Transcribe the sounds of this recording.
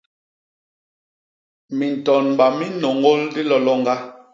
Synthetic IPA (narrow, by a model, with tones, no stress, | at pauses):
mi˨n˨tɔ˨nm˨ba˨mi˦no˨ŋɡo˦ldi˦lɔ˨lɔ˦ŋɡa˦